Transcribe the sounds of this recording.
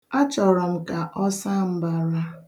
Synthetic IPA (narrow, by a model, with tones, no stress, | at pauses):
a˦t͡ʃɔ˨ɾɔ˨m̩˨ka˨ʔɔ˦sa˦m̩˦ba˨ɾa˦